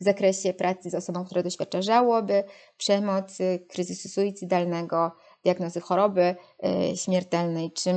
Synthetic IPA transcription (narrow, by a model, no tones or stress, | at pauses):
vzakɾɛɕɛpɾʔat̪sɘzɔsɔbɔ̃kt̪uɾɛd̪ɔɕfʲjat̚t͡ʂaʐawɔbɘpʂɛmɔt̪skɾɘzɘsusujit̪sɨd̪alnɛɡɔ | d̪̥ʲjaɡnɔzɘxɔɾɔbɘɕmʲjɛɾt̪ɛlnɛjt͡ʂɘ